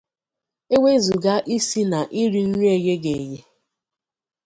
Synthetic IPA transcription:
e˦wʷe˦zu˨ɡa˦ʔi˦si˦na˨ʔi˦ɾi˦n̩˦ɲʷ˦e˨je˦ɡe˨je˦

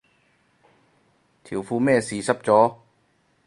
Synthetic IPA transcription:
t̪ʰi˨˩˦wfuː˧mɛː˥˩siː˨˩˦sa˦˥p̚t͡ɕɔː˨˥

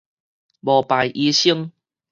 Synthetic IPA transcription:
bɔ˨˩pa˨˩jʔi˧˦ɕi˦˧əŋ

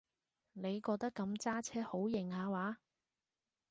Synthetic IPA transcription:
ne˨˧jkɔː˧k̚t̪ɐ˥kːɐ˧mt͡saː˥t͡sʰɛː˥ho˨˥wjɪ˨˩ŋhaː˨˧waː˨˥

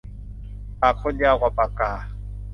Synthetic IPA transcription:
a˨k͡xʰɔ˦dja˦ɣwa˨pʼa˨kaː˨˦

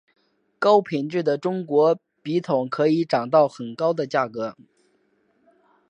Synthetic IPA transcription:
kɑ˥ʊpʰi˨˩nʈ͡ʂy˥˩d̪ə˩ʈ͡ʂʊ˥ŋkwɔ˧˥ | pi˧˥t̪ʰʊ˨˩˦ŋkʰɤ˧˥i˧˥ʈ͡ʂɑ˨˩ŋt̪ɑ˥˩ʊxə˨˩nkɑ˥ʊd̪ə˨t͡ɕja˥˩kɤ˧˥

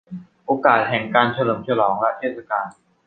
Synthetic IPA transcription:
ʔoː˧kaː˨˩t̪̚hɛ˨˩ŋkaː˧nt͡ɕʰa˧lɤː˩˦mt͡ɕʰa˧lɔː˩˦ŋlɛ˦˥ʔt̪ʰe˥˩t̪̚sa˧kaː˧n

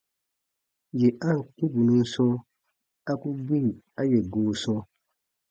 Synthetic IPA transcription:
jɛ˨ʔa˦ŋ̩˨k͡pu˦bu˨nũ˦n˦sɔ̃˦ | a˦ku˦bi˦˨ | a˦jɛ˨ɡoː˨˦sɔ̃˦

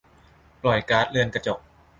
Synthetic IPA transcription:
plɔ˨˩jkaː˦˥t̪̚lɯ˧ənka˧t͡ɕo˨˩k̚

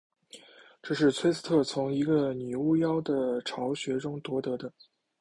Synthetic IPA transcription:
ʈ͡ʂɤ˥˧ʂɻ̩˥˩t͡sʰwe˥ɪt͡ss̩ʰ˥t̪ʰɤ˥˩t͡sʰʊ˧˥ŋi˧˥ɡə˧ny˨˩u˥˩jɑ˥ʊd̪ə˨ʈ͡ʂʰɑ˧˥ʊɕɥɛ˧˥ʈ͡ʂʊ˥ŋt̪wɔ˧˥t̪ɤ˧˥d̪ə˧

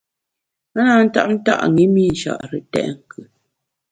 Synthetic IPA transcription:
a˦na˦˨n̩˦ta̰˦ʔn̩˦ta̰˦ʔŋi˦mi˦˨n̩˨ʃa̰˨ʔɾə˨tɛ̰˦˨ʔŋ̩˦˨kʰʉ˨

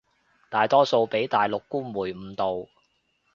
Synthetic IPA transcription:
t̪aː˨jt̪ɔː˥so˧wpe˨˥jt̪aː˨jlʊ˨kːuː˥muː˨˩jm̩ː˨˧t̪o˨w

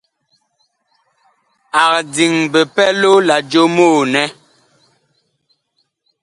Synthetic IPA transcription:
a˨k̚di˨ŋbɛ˨pɛ˦lo˦la˨d͡ʒo˦moː˦˨nɛ˦

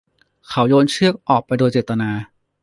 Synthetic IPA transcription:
kʰa˩˦wjoː˧nt͡ɕʰɯ˥˩ək̚ʔɔː˨˩k̚pa˧jdoː˧jt͡ɕeː˨˩t̪ːa˧naː˧

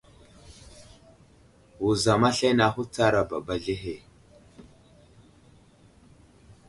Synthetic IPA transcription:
wu˨za˨ma˦ɬa˦jna˨˦xu˦t͡sa˦ɾa˨ba˨ba˨ɮi˦ɦe˨

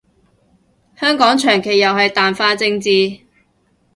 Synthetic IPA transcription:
hœː˥ŋkɔː˨˥ŋt͡ʃʰœː˨˩ŋkʰe˨˩jːɐ˨wɦɐ˨jt̪aː˨nfaː˥t͡sɪ˧ŋt͡siː˧

